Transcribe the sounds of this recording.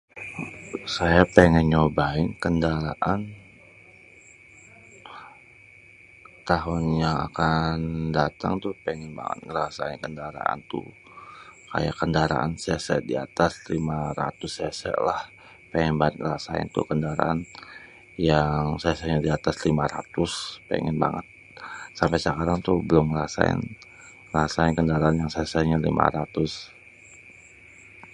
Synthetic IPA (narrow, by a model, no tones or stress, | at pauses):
sajapɛŋɛɲobaɪnkəndaɾaʔan | t̪aɦʊnɲaa̰kandat̪aŋt̪uhpɛŋɛnba̰ŋə̰t̪̚ŋəɾasaɪnkəndaɾa̰a̰nt̪ṵ | ka̰jakəndaɾa̰ʔa̰nsɛsɛ̰ʔdia̰t̪ast̪limaɾa̰t̪ʊsɛsɛ̰ʔlah | pɛŋɛnbaŋət̪̚ŋəɾasaɪ̰nt̪ʊ̰kəndaɾa̰ʔan | jaŋsɛsɛʔɲadiat̪aslimaɾat̪ʊspɛ̰ŋɛnba̰ŋət̪̚ | sampajsəkaɾaŋt̪ubəlʊməɾasa̰ɪ̰n | ŋəɾasaɪnkəndaɾaanjaŋsɛsɛɲalimʔa̰ɾat̪ʊs